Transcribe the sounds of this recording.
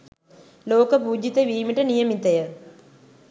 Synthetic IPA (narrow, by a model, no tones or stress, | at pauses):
lo̞ːkɐpuːd͡ʑit̪ːɐʋiːmiʈːɐnijɐmit̪ːɐjɐ